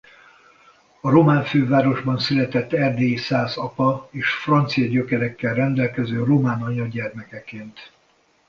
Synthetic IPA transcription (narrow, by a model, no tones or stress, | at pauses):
ɒɾo̞maːɱføːvaːɾo̞ʒbɒnsylɛt̪ɛt̪ːɛrd̪eːisaːzɒpɒeːʃfrɒnt̪sijɒɟøkɛɾɛkːɛlrɛnd̪ɛlkɛzøːro̞maːnɒɲɒɟɛrmɛkɛkeːnt̪